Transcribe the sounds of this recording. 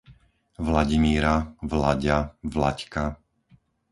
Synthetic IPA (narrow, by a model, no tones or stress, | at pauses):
ʋlaɟimiːɾaʋlaɟavla̰cka